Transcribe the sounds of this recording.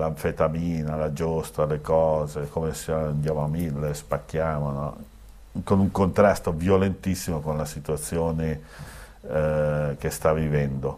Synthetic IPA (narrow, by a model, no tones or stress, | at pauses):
laɱfet̪amiːnalad͡ʒost̪alekɔːzekomeseand̪jaːmoamilːespakːjaːmonɔ | konuŋkont̪ɾast̪ovjolent̪isːimokonlasit̪uat̪sːjoːne | kest̪avivɛnd̪o